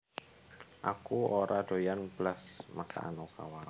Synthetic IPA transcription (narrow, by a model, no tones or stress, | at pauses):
ʔakuoɾaɖ̪̥o̤janb̥lasmasa̰a̰noka̰wa